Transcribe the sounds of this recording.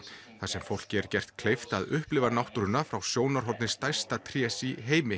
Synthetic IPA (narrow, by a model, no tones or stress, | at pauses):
θasɛmfowl̥cɪɛɾ̥cɛr̥t̪kʰlejft̪aðʏhplɪvaɾnawht̪uɾʏnːafɾawsjoːwnaɾ̥ɦɔɾt̪nɪst̪ajst̪at̪ʰɾjɛːsiɦeːjmɪ